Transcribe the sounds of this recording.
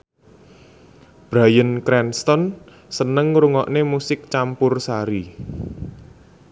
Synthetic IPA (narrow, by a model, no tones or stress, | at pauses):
b̥ɾajənkɾɛnst̪ɔn | sənəŋɾuŋɔʔnemusɪk̚t͡ʃampʊrsaɾi